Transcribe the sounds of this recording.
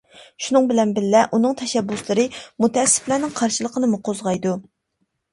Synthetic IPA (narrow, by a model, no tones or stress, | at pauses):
ʃunɨŋbɪlɛnbɪlːɛʔunɨŋt̪ʰɛʃɛbːuslˠɨɾɨmut̪ɛɛsːɪ̥flænɪŋqʰɑɾʃɨlˠəqənɨmʊqʰozʁɑjd̪u